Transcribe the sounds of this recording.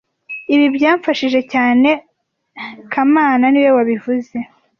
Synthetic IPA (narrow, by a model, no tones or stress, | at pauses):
iβibjaːɱfaʃiʒe̞caːne̞ | kʰamaːnaniwe̞waβivuze̞